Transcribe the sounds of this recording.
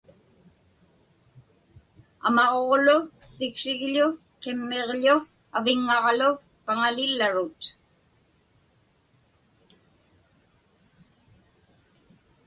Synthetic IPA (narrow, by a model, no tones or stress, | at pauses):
a̰mɑʁoʁlʊ | sɪkʂɪɣʎʊ | qɪmːeʁʎʊ | avɪŋːɑʁlʊ | paŋalɪlːaɻʊt̪